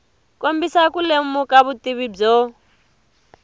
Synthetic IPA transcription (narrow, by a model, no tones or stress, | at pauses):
kombisakulemukaβutiβib͡ʐɔ